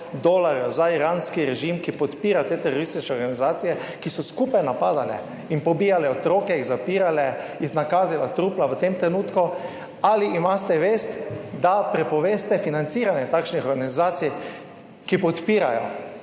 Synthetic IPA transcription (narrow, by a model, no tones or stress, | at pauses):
d̪oːlaɾjzaiɾanskiɾɛʒimkipɔt̪piːɾat̪eːt̪ɛɾoɾist̪it͡ʃnɛɔɾɡanizaːt̪sijɛkisɔskuːpajnapaːd̪alɛ̰ | inpɔbiːjalɛɔt̪ɾoːkɛiɣzapiːɾalɛ | iznakaːzilat̪ɾuːplaʋət̪emt̪ɾɛnuːt̪ku | aliʔimast̪ɛʋeːst̪d̪apɾɛpɔʋeːst̪ɛfinant̪siɾanjɛt̪aːkʃnixɔɾɡanizaːt̪sij | kipɔt̪piːɾa̰jɔ̰